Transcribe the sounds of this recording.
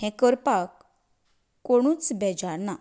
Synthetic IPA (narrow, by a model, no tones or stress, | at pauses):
ɦɛ̃kəɾpakː | oɽ̃ũːt͡sbɛd͡ʑaɾna